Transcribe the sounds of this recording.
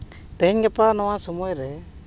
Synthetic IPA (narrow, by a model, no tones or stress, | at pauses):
t̪ɛɲɡɛpanɔwasɔmɔjɾɛ